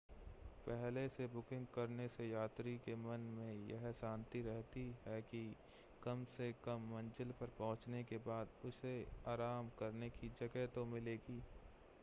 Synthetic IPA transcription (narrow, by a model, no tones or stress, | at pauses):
pɛɦlesebʊkɪ̃ŋɡkɐɾnesejaːt̪ɾikemɐnmẽjɛ̰ɦsãːnt̪iɾɛɦt̪iɦɛki | kɐmsekɐmːɐ̃nd͡ʒəlpɐɾpɐɦʊ̃t͡ʃnekebaːd̪ʊseaːɾaːmkɐɾnekid͡ʒɐɡɛɦt̪omɪleːɡiː